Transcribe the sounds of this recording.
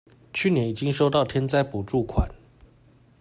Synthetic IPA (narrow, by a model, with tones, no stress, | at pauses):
t͡ɕʰy˥˨˩njɛ˨˦ni˨˩t͡ɕi˦ŋʂo˥ʊt̪ɑ˥˨ʊt̪ʰjɛ˥nt͡sa˥˩ɪpu˨˩ʈ͡ʂu˥˨˩kʰwa̰˨˩˦n